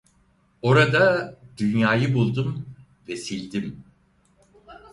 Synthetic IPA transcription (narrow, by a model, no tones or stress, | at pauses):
o̞ɾad̪ad̪̥ynjaːjɯbulˠd̪um | vesilʲd̪im